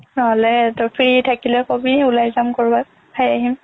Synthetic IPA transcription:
nɔɦɔlɛtɔpʰɹitʰakilɛkomiulajzamkoɹba | pʰajaɦim

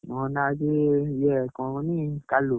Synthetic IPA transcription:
mɔ̃nãd͡ʒejɛkɔ̃nĩkalo

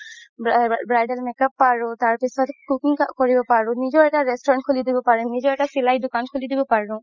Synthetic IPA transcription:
bɹajdɛlmɛkapːaɹʊ̃taɹpisɔtkukiŋkkɔɹibɔpaɹʊ̃nizɔɛtaɹɛstɔɹɔnt̚kʰulidibɔpaɹũnizɔɛtasilajdʊkankʰulidibɔpaɹʊ̃

